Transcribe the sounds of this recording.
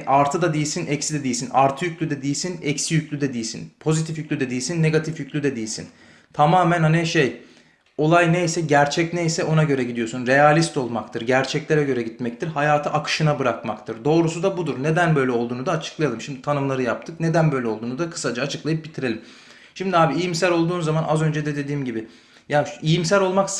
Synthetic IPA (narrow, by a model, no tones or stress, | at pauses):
ʔaɾt̪ʰɯd̪ad̪ejisinɛcsid̪ɛd̪ijisina̰ɾt̪ʰɯjyclʲyd̪ɛd̪ijisinɛcsijycʲlʲyd̪ɛd̪ijisḭnpʰo̞zit̪ʰifjycʲlʲyd̪ɛd̪ijisinːe̞ɡat̪ʰifjyclʲyd̪ɛd̪ijisḭn | t̪ʰamaːmænhaniʃej | o̞lˠajnejsɛɟæɾt͡ʃʰɛcnejsɛʔo̞naɟø̞ɾɛɟid̪ijo̞sunɾe̞jalʲist̪o̞lˠmakt̪ʰɯɾɟæɾt͡ʃʰɛclʲeɾɛɟø̞ɾɛɟit̪̚mɛc̚t̪ʰiɾhajaːt̪ʰɯʔakʰɯ̥ʃɯnabɯɾakmakt̪ʰɯɾd̪o̞ːɾusud̪abud̪uɾne̞d̪ænbø̞jlʲɛo̞lˠd̪uːnud̪aːt͡ʃʰɯ̥klˠajalˠɯmʃimd̪it̪ʰanɯmlˠaɾɯjap̚t̪ʰɯkne̞d̪ænbø̞jlʲɛo̞lˠd̪uːnud̪akʰɯ̥sad͡ʒaːt͡ʃʰɯklˠajɯp̚bit̪ʰiɾe̞lʲim | ʃimd̪iaːbiijimsælʲo̞lˠd̪uːnzamanʔa̰zø̞nd͡ʒɛd̪ɛd̪e̞d̪iːmɟibɪ | jaːijims̬ælʲo̞lˠmak